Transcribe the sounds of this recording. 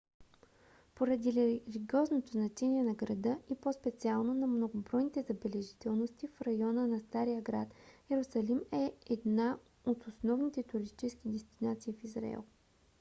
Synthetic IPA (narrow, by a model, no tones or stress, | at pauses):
poɾɐd̪iliɡʲiɔznot̪oznɐt͡ʃɛniɛnɐɡɾɐd̪ɤipospɛt̪sialˠnonɐmnoɡʊbɾɔjnit̪ɛzɐbɛlɛʒit̪ɛlˠnost̪ifɾɐjɔnənɐst̪aɾijəɡɾa̰t̪ɛɾʊsɐlimɛɛd̪na | ot̪osnɔvnit̪ɛt̪ʊɾist̪it͡ʃɛskid̪ɛst̪inat̪siːfizɾa̰ɛ̰lˠ